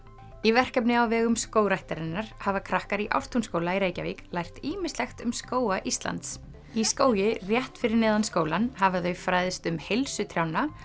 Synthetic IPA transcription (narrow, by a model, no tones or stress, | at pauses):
ivɛr̥kɛpnɪawvɛːɣʏmskoːwɾajht̪aɾɪnːaɾ̥havakʰɾahkaɾiʔa̰wr̥t̪ʰunskoːwlaiɾeːjcavḭklajr̥t̪iːmɪst̪lɛxt̪ʏmskoːwaʔist̪la̰nt̪s | iskoːwjɪrjɛht̪fɪɾɪɾnɛːðanskoːwlanhavaθœɥfɾaːjðɪst̪ʏmhelsʏt̪ʰɾjawnːa